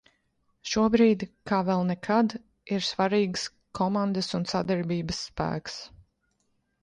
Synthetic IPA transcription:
ʃuɔbɾiːd̪kaːvɛlˠnɛkʰad̪ | iɾsvaɾiːɡs | kʰɔmand̪əsunsad̪ɛɾbiːbəsːpæ̰ːks

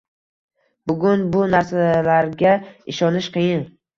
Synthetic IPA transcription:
b̥ʊɡʲʊnbʊnaɾsalaɾɡʲaɪʃɒnɪʃqɨjɪn

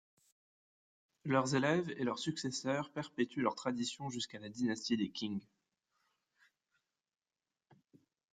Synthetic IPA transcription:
lœʁzelɛvelœʁsyksesœʁpɛʁpet̪ylœʁt̪χad̪isjɔ̃ʒyskalad̪inast̪id̪ekʲĩŋɡ

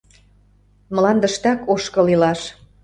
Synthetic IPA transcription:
məlɑnd̪ə̆ʃt̪ɑkoʃkɤ̆lilɑʃ

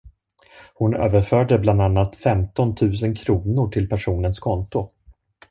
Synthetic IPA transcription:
hʊnø̰ːvəɾfœːɖəbland̪anːat̪fɛmt̪ɔnt̪ʰʉ̟ːs̬ənkʰɾuːnʊʈʰɪlpʰæʂuːnənskʰɔnt̪ʊ

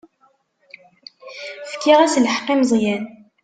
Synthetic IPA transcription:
fkːiʁæsləħqːimzˤjæn

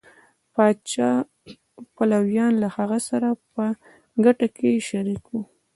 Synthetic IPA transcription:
pɑdt͡ʃɑ | palawjɑnlahaɣasaɾapə | ɡaʈakeʃaɾikwu

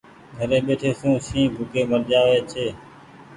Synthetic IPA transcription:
ɡʱəɾeːɓeːʈʰeːsũːsĩːbʱʊkeːməɾd͡ʒaːʋeːt͡ʃʰeː

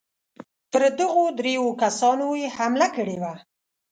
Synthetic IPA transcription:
pəɾd̪əɣod̪ɾewokasɑnojehamlakəɽewa

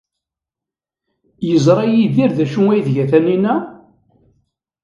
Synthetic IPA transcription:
jəzˤɾˤɑjiðiɾðæʃunæjðʝæθæninæ

